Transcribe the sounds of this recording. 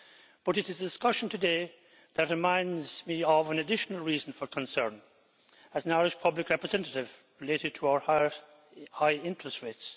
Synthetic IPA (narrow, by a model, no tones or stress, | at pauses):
b̥ʌɾɨɾɨzədɪskʌʃn̩tʰɨde | ðɨt̚ɹɨmãɪ̃ndzmiəvə̃nɨdɪʃnəlˠɹizn̩fə˞kʰə̃nsɜ̃˞n | əzə̃naɹɪʃpʰʌblɨkɹɛpɹɨzɛ̃ntəɾɪvɹɨleɾɨd̚tʰəaʊə˞ | haɪɪ̃ntɹ̥ɨstɹets